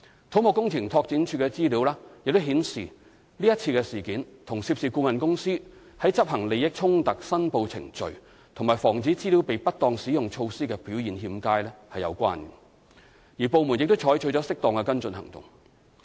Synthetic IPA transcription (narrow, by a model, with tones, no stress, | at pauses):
t̪ʰo˨˥wmʊ˨kːʊ˥ŋt͡sʰɪ˨˩ŋt̪ʰɔː˧k̚t͡siː˨˥nt͡ʃʰyː˧kɛ˧t͡siː˥liː˨˥wlaː˥jɪ˨k̚t̪ʊ˥wɦiː˨˥nsḭː˨˩ | liː˥jɐ˥t̚t͡sʰiː˧kɛ˧siː˨˩kiː˨˥nt̪ʰʊ˨˩ŋsiː˧p̚siː˨kuː˧mɐ˨nkʊ˥ŋsiː˥ | hɐ˨˥jt͡sɐ˥p̚hɐ˨˩ŋle˨jjɪ˥k̚t͡ʃʰʊ˥ŋt̪ɐ˨k̚sɐ˥npo˧wt͡sʰɪ̰˨˩ŋt͡ʃɵ˨ɥ | t̪ʰʊ˨˩ŋmaː˨˩jfɔː˨˩ŋt͡siː˨˥t͡siː˥li˨˥wpe˨jpɐ˥t̚t̪ɔː˧ŋsiː˨˥jʊ˨ŋt͡ʃʰo˧wsiː˥kɛ˧piː˨˥wjiː˨nɦiː˧mkaː˥jlɛː˥hɐ˨jɐ̰˨˧wkʷa̰ː˥nɛ˨ | jiː˨˩po˨˧wmu˨˩njɪ˨k̚t̪ʊ˥wt͡ʃʰɔː˨˥jt͡ʃʰɵ˨˧jt͡sɔː˨˥sɪ˥k̚t̪ɔː˨˧ŋkɛ˧kɐ˥nt͡sɵ˧nɦɐ̰˨˩ŋt̪ʊ̰˨˩ŋ